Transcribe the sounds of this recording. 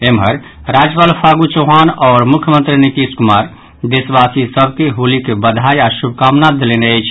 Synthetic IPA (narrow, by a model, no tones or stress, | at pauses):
emɦəɾ | ɾad͡ʒpalpʰaɡut͡ʃoɦanɔːɾmukʰjəmənt̪ɾinit̪iskumaɾ | d̪esbasisəb̚ʱkeɦulikebəd̪ʱajasubʱkamnad̪eleneəjt͡ʃʰ